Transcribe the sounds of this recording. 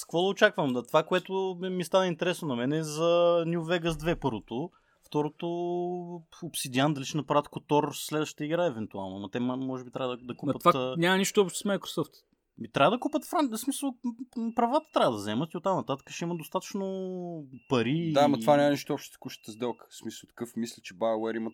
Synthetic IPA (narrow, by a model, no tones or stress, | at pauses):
skvɔlˠot͡ʃakvəmɐt̪ovakoɛt̪ʊmist̪anəint̪ɛɾɛsnonɐmɛnɛːzɐnʲjuvɛɡəsd̪vɛpɤɾvot̪o | ft̪ɔɾot̪o | opsid̪ʲiand̪ɐliʃɛnɐpɾavət̪kot̪ɔɾːlɛd̪vəʃt̪ə̥t̪əiɡɾaɛvɛnt̪ua̰lˠnoɐmɐt̪ɛmmɔʒɛbit̪ɾʲʔavəd̪d̪ɐkutpət̪tnʲamɐniʃt̪oɔpʃt̪smajkɾosɔft̪ | mit̪ɾʲavəd̪ɐkupət̪fɾansmisəlˠpɾɐvat̪ə̥t̪ɾavəd̪ɐzɛmət̪iot̪ːamnɐt̪at̪ə̥kə̥ʃɛiməd̪ost̪at̪ə̥t͡ʃno | pɐɾid̪amɐt̪vanʲamɐniʃt̪oɔpʃt̪ə̥t̪ə̥kuʃt̪ə̥t̪əzd̪ɛlˠkə̥smisəlˠt̪ɐ̥kɤfmislʲɛt͡ʃɛbajwɛɾimət̪